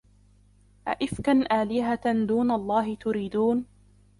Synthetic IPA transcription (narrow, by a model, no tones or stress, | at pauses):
ʔa̰ʔɪfkanʔaːlɪɦad̪uːnaʔlˤːɑːɦɪt̪ʊɾiːd̪uːn